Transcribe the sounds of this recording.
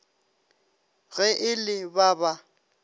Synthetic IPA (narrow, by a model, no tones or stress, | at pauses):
ɣɛʔɪlɪbaba